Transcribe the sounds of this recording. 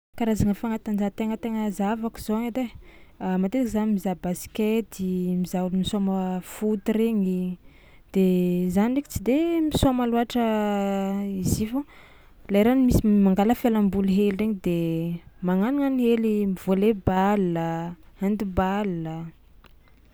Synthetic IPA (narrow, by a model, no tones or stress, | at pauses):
kaɾazaŋəfaŋat̪and͡ʒat̪eŋət̪eŋəzavaku̥z̥oaŋad̪eamat̪eakizanimizabasi̥ket̪imizaulimisoməfut̪iɾeɲi | d̪̥ezanireki̥t͡sid̪emisamaluaʈ͡ʂə | izivu | lajɾanimisimaŋɡaləfjalambuluɦelreɲid̪emaŋanuŋaniɦelimiv̥olebalːəhand̪ibalːə